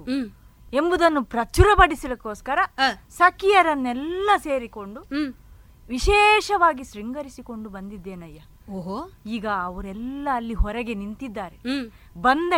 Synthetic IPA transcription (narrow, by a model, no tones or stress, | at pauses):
e̞mbud̪ɐnːupɾɐt͡ʃuɾɐpɐɽisilɐko̞ːskɐɾɐsɐkijɐɾɐnːɛlːɐse̞ːɾiko̞ɳɖu | ʋiʃɛːʃɐʋaːɡiʃɾiŋɡɐɾisiko̞ɳɖubɐnd̪id̪ːeːnɐjːɐ | oːɦoiːɡɐːʋɐɾɛlːɐːlːiɦɔɾɛɡe̞nint̪id̪ːaːɾe | bɐnd̪e